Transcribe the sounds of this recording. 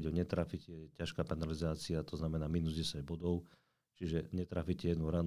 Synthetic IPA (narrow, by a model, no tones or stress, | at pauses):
ɟɛɔɲɛt̪ɾaficɛɛcaʃkaːpanalizaːt͡siat̪ɔznamɛnaːminuzɟɛsaɟbɔd̪ɔʊ | t͡ʃiʒɛɲɛt̪ɾaficɛjɛd̪nuɾan